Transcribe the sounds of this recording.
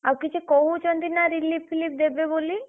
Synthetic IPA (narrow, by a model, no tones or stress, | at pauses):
abkit͡ʃʰekoɦut͡ʃʰɔnd̪inaɾilipʰːilip̚d̪ebeboli